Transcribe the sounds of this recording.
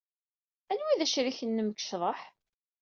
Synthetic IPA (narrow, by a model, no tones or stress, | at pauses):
ænwiðæʃɾiçənːəməkʃðˤəħ